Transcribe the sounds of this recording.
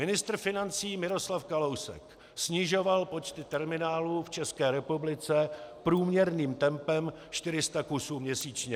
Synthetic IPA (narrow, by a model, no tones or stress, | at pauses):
mɪnɪst̪ɾ̩fɪnant͡siːmɪɾo̞slafkalowsɛ̰k | sɲɪʒo̞valpo̞t͡ʃt̪ɪt̪ɛɾmɪnaːluːft͡ʃɛskɛːɾɛpublɪt͡sɛpɾuːmɲɛɾniːmt̪ɛmpɛm | ʃt̪ɪɾɪst̪akusuːmɲɛsiːt͡ʃɲɛ